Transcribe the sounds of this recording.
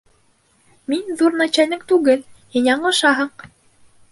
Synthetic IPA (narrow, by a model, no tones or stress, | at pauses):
minðuɾnɑt͡ɕænɘŋt̪ʉɡɘlhinʲæɴɤ̆ʃɑɦɤɴ